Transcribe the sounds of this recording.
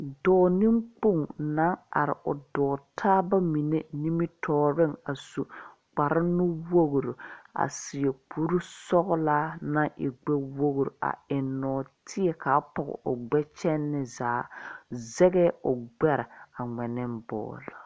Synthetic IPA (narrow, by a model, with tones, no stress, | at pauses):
dɔː˨˦ni˦ŋk͡po˦˨ŋna˦ŋa̰˨ɾɪ̰˨ʔʊ˨dɔː˨tʰaː˦ba˦mi˨ne˦ni˦mi˦tʰɔː˨ɾɪ˦˨ŋa˨su˨ | k͡pa˨ɾɪ˦nʊ˦wo˦ɣɾo˨a̰˨sɪ˨e˨k͡pʰu˦ɾu˦sɔ˦ɣlaː˦na˦ŋʔɪ˨ɡ͡bɛ˦wo˦ɣɾo̰˨ʔa̰˨ɪ˨nːɔː˨tʰɪ˦ɛ˨ka˨˦pɔ˨ɣɛ̰˨ʔʊ˨ɡ͡bɛ˦t͡ʃɛ˦nːɪ˦zaː˨˦zɛ˦ɡɛː˦ʊ˨ɡ͡bɛ˦ɾɪ˨a˨ŋɛ˨nɪ˦mbɔ̰ː˨lɔ˨